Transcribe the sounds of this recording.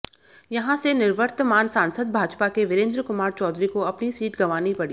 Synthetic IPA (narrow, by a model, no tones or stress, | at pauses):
jɐɦãsenɪɾʋəɾt̪maːnsãːnsəd̪bʱaːd͡ʒpakeʋɪɾẽːnd̪ɾəkʊmaːɾt͡ʃɔːd̪ɾikoɐpnisiːʈɡɐʋaːnipɐɽi